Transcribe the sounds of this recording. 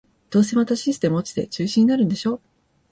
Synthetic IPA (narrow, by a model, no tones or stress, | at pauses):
d̪̥o̞ːs̬e̞at̪aɕisɨ̥t̪e̞mɯ̟ot͡ɕi̥t̪e̞t͡ɕɨːɕĩɲ̟inaɾɯ̟̃nd̪e̞ɕo̞ː